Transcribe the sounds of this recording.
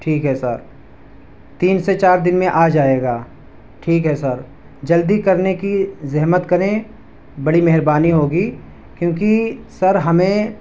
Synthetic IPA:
ʈʰiːkɦɛsɐɾ | t̪iːnset͡ʃaːɾd̪ɪnmẽʔaːd͡ʒaːeːɡaː | ʈʰiːkɦɛsɐɾ | d͡ʒɐld̪ikɐɾnekizɛɦmət̪kɐɾẽ | bɐɽimɛɦɾbaːniɦoːɡiː | kjõːkisɐɾɦɐmẽ

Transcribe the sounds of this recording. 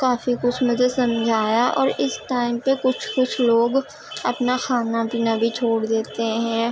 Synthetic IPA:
kaːfikʊt͡ʃʰmət̪esɐ̃md͡ʒʱaːjaʔɔːɾɪsʈaːɪmpekʊt͡ʃʰkʊt͡ʃʰloːɡ | ɐpnaxaːnapiːnabʱit͡ʃʰoːɽd̪eːt̪eɦɛ̃ː

